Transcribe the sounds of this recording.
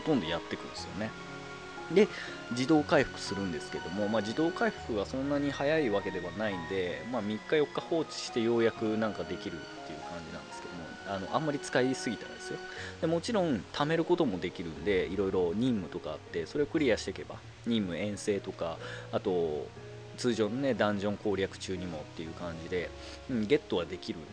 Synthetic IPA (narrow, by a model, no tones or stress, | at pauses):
ho̞t̪õ̞nd̪o̞jat̪ːe̞kɯ̟̃nesɨjo̰ne̞ | d̪e̞ | d͡ʑid̪o̞ːkaiɸɯ̟̥kɯ̟̥sɨɾɯ̟̃nd̪e̞sɨ̥ke̞d̪o̞mo̞maːd͡ʑid̪o̞ːkaiɸɯ̥kɯ̟βasõ̞nːaɲ̟ihajaiβake̞d̪e̞βanaind̪e̞maːmʲikːajo̞kːaho̞ːt͡ɕi̥ɕi̥t̪e̞jo̞ːjakɯ̟nãŋkad̪e̞kʲiɾɯ̟̰t̪ːe̞jɯ̟̰kãɲ̟d͡ʑinãnd̪e̞sɨ̥ke̞d̪o̞moano̞ʔãmːaɾʲit͡sɨ̥kaisɨɡʲit̪a̰d̪esɨjo̞d̪e̞mo̞t͡ɕiɾõ̞nt̪ʰame̞ɾɯ̟ko̞t̪o̞mo̞d̪e̞kʲiɾɯ̟̃nd̪e̞iɾo̞iɾo̞ɲ̟ĩmːɯ̟t̪o̞ka̰ːt̪ːe̞so̞ɾe̞okɯ̟ɾʲijaɕi̥t̪eke̞ba̰ | ɲ̟ĩmːɯ̟ẽ̞ɰ̃se̞ːt̪o̞kaat̪o̞ | t͡sɨːʑõ̞nne̞d̪ãɲ̟d͡ʑõ̞ŋko̞ːɾʲakɯ̟̥t͡ɕɨːɲ̟imo̞t̪ːe̞jɯ̟ːkãɲ̟d͡ʑid̪e̞ | ɯ̟ɡe̞t̪ːo̞ɡad̪e̞kʲiɾɯ̟̰